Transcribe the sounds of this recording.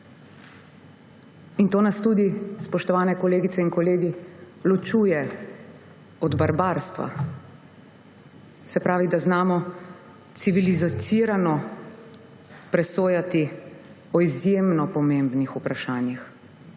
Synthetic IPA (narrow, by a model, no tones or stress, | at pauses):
int̪oːnast̪ud̪ispɔʃt̪ɔʋaːnɛkɔleːɡit̪sɛinkɔleːɡi | lɔt͡ʃuːjɛ | ɔd̪baɾbaːɾst̪ʋa̰ | sɛpɾaːʋid̪aznaːmɔ | siʋilizt̪siːɾanɔ | pɾɛsoːjat̪i | ɔizjeːmnɔpɔmẽmbnixupɾaʃaːnjix